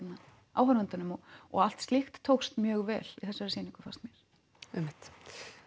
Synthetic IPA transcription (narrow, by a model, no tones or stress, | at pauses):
na | a̰ːwfaɾʏnt̪anʏmɔɔ̰ɣal̥t̪st̪lixt̪ʰːowkst̪mjœːɣvɛːlḭθɛsavɛɾsiːnĩŋkʏ̥fast̪mjɛɾ̥ | ɛjmɪht̪